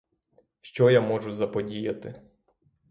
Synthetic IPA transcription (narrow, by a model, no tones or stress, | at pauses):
ʃt͡ʃɔjamɔʒʊzɐpɔdʲijɐt̪ɪ